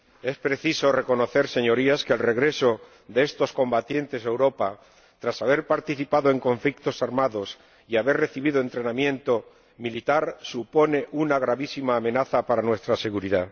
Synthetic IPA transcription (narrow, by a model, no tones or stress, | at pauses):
e̞spɾe̞θiso̞re̞ko̞no̞θe̞ɾse̞ɲo̞ɾiaskelre̞ɣɾe̞so̞ | ðeest̪o̞sko̞mbat̪je̞nt̪e̞ze̞wɾo̞pa | t̪ɾasaβ̞e̞ɾpaɾt̪iθipaðoe̞ŋko̞ɱflik̚t̪o̞saɾmaðo̞s | iaβe̞rre̞θiβiðoe̞nt̪ɾe̞namjẽ̞nt̪o̞ | milit̪aɾsupo̞ne̞ʔunaɣ̞ɾaβisimaːmẽ̞naθapaɾanwe̞st̪ɾase̞ɣ̞uɾiða